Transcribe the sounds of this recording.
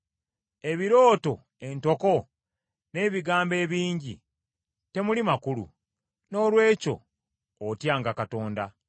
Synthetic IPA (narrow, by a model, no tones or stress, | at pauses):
e̞βiɾo̞ːto̞̰ | e̞nto̞ko̞ | ne̞ːβiɡaːmbe̞ːβiːɲɟḭ | te̞mulimakulṵ | no̞ːlwe̞ːco̞̰ː | tjaːŋɡakato̞ːnda